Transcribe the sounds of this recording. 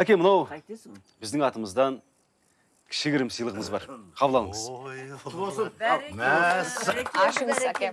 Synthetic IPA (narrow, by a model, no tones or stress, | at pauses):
ækʲemənɑw | bɪzd̪ɪŋɑt̪əməzd̪ɑn | kʲʰɪ̥ʃɪɡʲɪɾɪmsəjlˠəʁəɴəzbɑ̰ɾqʰɑbəlˠɑlˠəɴəz̥ | æ